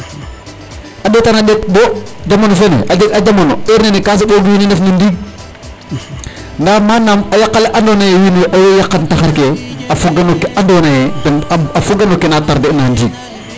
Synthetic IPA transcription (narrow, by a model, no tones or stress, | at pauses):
aɗetanaɗet̚bod͡ʒamonofenḛʔad͡ʒeɡad͡ʒamonoeɾnenekas̬iboɡjininefnindiːɡ̚ | namanamajakːaleʔandonajejineʔajojakːantaxaɾkeafuɡanokeandonajedafuɡanokenataɾdenandiːɡ̚